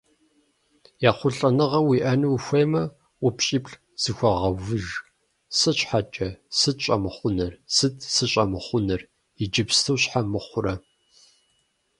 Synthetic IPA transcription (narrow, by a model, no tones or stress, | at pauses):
jaːχʷʊɬʼɐnɨʁɐwiːʔɐnɨwxʷeːmɐ | ʔʷʊpɕʼiːpɬ | z̥ɨxʷɐʁɐvɨʒ | sɐɕħat͡ʃʼɐsɨtɕʼɐmɨχʷʊnɐrsɨtʰsɨɕʼɐmɨχʷʊnɐr | ɪd͡ʒɪpstʰɐwɕħamɨχʷʊɾɐ